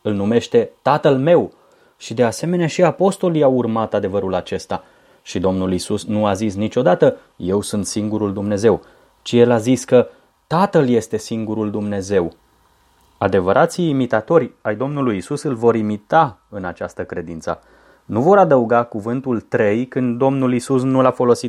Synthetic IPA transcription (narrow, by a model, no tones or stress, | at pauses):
ɨlnume̞ʃt̪e̞t̪at̪əlme̞w | ʃid̪e̞ase̞me̞neaʃiapo̞st̪o̞liawurmat̪ad̪e̞vəɾulat͡ʃe̞st̪a | ʃid̪o̞mnulisusnuazis̬nit͡ʃo̞d̪at̪ə | je̞wsunt̪siŋɡuɾuld̪umne̞ze̞w | t͡ʃije̞laziskə | t̪at̪əlje̞st̪e̞siŋɡuɾuld̪umne̞ze̞w | ad̪e̞vəɾʔat̪siːmit̪at̪o̞ɾʲajd̪o̞mnulujisusɨlvo̞ɾimit̪aɨnat͡ʃast̪əkɾe̞d̪int̪sə̰ | nuvo̞ɾad̪əuɡakuvɨnt̪ult̪ɾe̞jkɨnd̪d̪o̞mnulisusnulafo̞lo̞sit̪